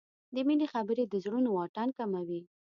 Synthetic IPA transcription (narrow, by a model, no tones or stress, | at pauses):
d̪əminexabəɾed̪əzɽunowɑʈankamawi